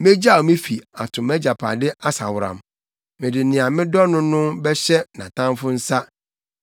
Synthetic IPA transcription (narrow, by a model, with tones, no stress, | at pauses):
mẽ˦d͡ʑa˦˨mɪ̃˦fi˨a˨tʰʊ̃˨mæ˦d͡ʑa˨pʰa˨dɪ˦ʔa˦sa̰˨wʊ˨ɾã̰˨m | mɪ̃˨dɪ˨nɪ̃˨a˨mɪ̃˦dɔ˦nʊ̃˦nʊ̃˦bɛ˦ɕɛ˦nã̰˨tʰã˦mfʊ˦n̩˦sa˦